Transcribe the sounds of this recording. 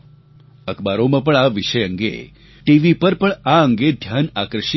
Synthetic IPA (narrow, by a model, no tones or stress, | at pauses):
əkbaɾomãpəɳaʋiʃəjə̃ŋɡḛ | ʈiʋipəɾpəɳaəŋɡed̪ʱjanakɾəʃi